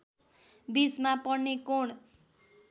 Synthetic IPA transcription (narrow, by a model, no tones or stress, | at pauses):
bismapʌɽnːekoɳ